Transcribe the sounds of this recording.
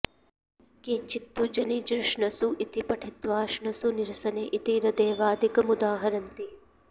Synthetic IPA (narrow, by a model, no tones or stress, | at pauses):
keɲt͡ʃit̪ːud͡ʒɐnid͡ʒɾɪʂɳɐsuʔit̪ipɐʈʰit̪ʋaːʃɳɐsuniɾsɐneːʔit̪iɾɐd̪eːʋaːd̪ʱikɐmud̪aːɦɐɾɐnt̪i